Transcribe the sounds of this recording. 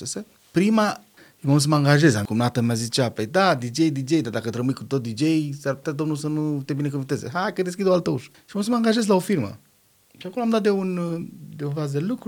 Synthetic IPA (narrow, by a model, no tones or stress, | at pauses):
sese | pɾima | imaus̬əməãŋɡaʒezaŋkumnat̪əmazit͡ʃapajd̪ad̪id͡ʒejd̪id͡ʒejd̪ad̪akət̪ɾəmujkut̪ot̪̚d̪id͡ʒejsaɾput̪at̪onusənut̪ebinek̬ũvint̪ezeɦajkəd̪es̬kid̪oalt̪əuʃʃimos̬əməaŋɡaʒezlaofiɾmə̰ | ʃiakonloamd̪at̪̚d̪eund̪eunvazd̪elukɾu